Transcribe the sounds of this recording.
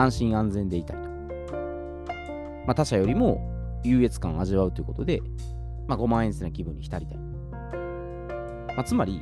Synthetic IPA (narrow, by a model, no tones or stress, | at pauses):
ãɰ̃ɕĩɰ̃ãnd͡zẽ̞nd̪e̞it̪a̰ɾʲi̥t̪o̥ | mat̪aɕajo̞ɾʲimo̞jɯːe̞t͡sɨ̥kã̰ɰ̃aʑiβaɯ̟t̪o̞jiɯ̟ko̞t̪o̞d̪e̞̰ | maɡo̞mãɰ̃ẽsenakʲibɯ̟̃ɲ̟ːiçi̥t̪aɾʲit̪aɾʲi | mat͡sɨmaɾʲi